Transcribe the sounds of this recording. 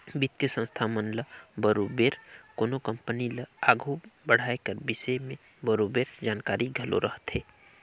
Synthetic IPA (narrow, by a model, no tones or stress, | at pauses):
bɪt̪kesə̃nst̪ʰamənləbəɾobeːɾkoːnokə̃mpənilaːɡʱubəɽ̤aːekəɾbɪsemẽ | bəɾobeːɾd͡ʒaːnkaːɾiɡʱəlo̰ɾʔəɦt̪ɦeː